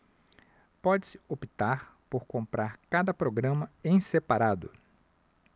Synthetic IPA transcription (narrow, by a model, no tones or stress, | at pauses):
pɔd͡ʒɪsɪopit̪aɾpoɾkõmpɾaɾkad̪ɐpɾoɡɾɐ̃mɐẽj̃sepaɾad̪ʊ